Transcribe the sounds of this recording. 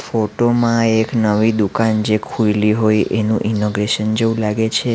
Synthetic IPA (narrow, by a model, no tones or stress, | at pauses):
foʈomãeknəʋid̪ukand͡ʒekʰujliɦojenṵ̃ʔinoɡɾeʃənd͡ʒeũlaɡet͡ʃʰe